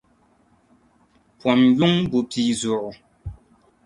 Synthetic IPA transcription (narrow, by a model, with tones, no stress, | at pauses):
pwa˨mju˦ŋbu˨pʰi˨zɔ˨ʔ